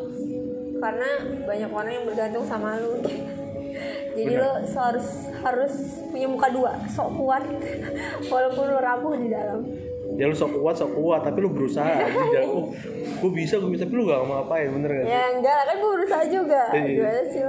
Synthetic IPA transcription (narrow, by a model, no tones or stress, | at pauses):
karənabaɲakoɾaŋjaŋbərɡant̪ʊŋsamalʊ | d͡ʒadiloshaɾʊs | haɾʊs | puɲamukadua | sokuat̪̚ | walapʊnlʊɾambʊhdidalam | jalʊsɔkuwat̪̚sɔkuat̪ːapilʊbəɾusaɦadidallʊ | ɡ̥uabisaɡubist̪apilʊŋaamaŋapaɪnbənərɡajaŋɡalakanɡuabəɾusaɦad͡ʒuɡaiualasi